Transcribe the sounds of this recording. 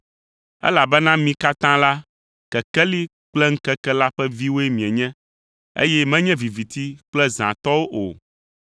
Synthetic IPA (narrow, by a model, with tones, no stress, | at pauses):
ɛ̰˦la˨bɛ˦nã˦mĩ˨ka˦t̪ã˦la˦ | kɛ˨kɛ˦li˦ | k͡plɛ˦ŋ̩˦kɛ˦kɛ˦la˦ɸɛ˦vi˦wo˦ɛ˦mĩ˨ɛ˨ɲɛ̃˦ | ḛ˦jɛ˦mɛ̃˦ɲɛ̃˦vi˨vi˨t̪i˦k͡plɛ˦zã̰˨t̪ɔ˦wo˦ʔo̰˨